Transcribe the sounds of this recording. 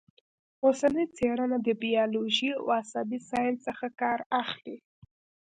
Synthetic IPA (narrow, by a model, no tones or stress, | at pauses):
osanəjt͡seɽanad̪əbijɑloʒia̰wasabisɑjnsəxakɑɾaxli